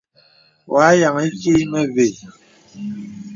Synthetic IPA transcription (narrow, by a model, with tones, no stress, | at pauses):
wa˨˦ja˨ŋe˦ki˦mɛ˦ve˨